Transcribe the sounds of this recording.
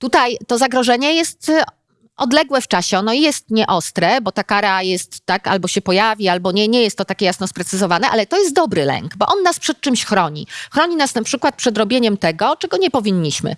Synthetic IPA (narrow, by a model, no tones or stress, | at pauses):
t̪ut̪ajt̪ɔzaɡɾɔʐɛɲɛjɛst̪ | ɔd̪lɛɡwɛft͡ʂaɕɛɔnɔijɛst̪ɲɛʔɔst̪ɾɛbɔt̪akaɾajɛst̪ːaka̰lbɔɕɛpɔjavʲialbɔɲɛɲɛjɛst̪ːɔt̪akʲejasnɔspɾɛt̪sɨzɔvanɛʔalɛt̪ɔjɛst̪d̪ɔbɾɘlɛ̰ŋkbɔʔɔnːaspʂɛt̪̚t͡ʂɘmɕxɾɔɲḭxɾɔɲinasnapʂɘkwat̪̚pʂɛd̪ɾɔbʲjeɲɛmt̪ɛɡɔt͡ʂɛɡɔɲɛpɔvʲiɲːiɕmɘ̰